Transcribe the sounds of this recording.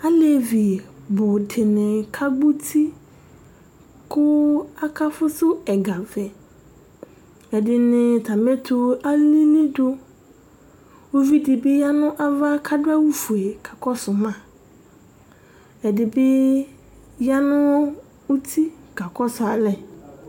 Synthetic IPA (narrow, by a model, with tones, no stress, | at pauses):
a˦le˨vi˨bʊ˨dɪ˨nɪ̃˨kʰa˦ɡ͡bu˦tʰi˦ | kʊ˦a˦ka˦fʊ˦sʊ˦ɛ˨ɡa˨vɛ˨ | ɛ˨dɪ˨nɪ̃˨t̪ʰa˨mɛ˦t̪ʰʊ˨a˦li˦nĩ˦dʊ˦ | wo˦vi˦dɪ˨bɪ˦ja˦nʊ̃˦ʔa˨va˦kʰa˦dʊ˦a˦wu˦fu˨e˨ɡ̥a˨kɔ˦sʊ˨mã˦ | ɛ˨dɪ˨bɪ˦ | ja˦nʊ̃˦ | u˦t̪ʰi˦ka˨kɔ˦sʊ˨a˨lɛ˨